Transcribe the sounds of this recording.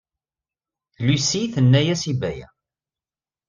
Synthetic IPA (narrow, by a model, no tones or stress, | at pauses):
θlusiθənːæjæsibæjæ̰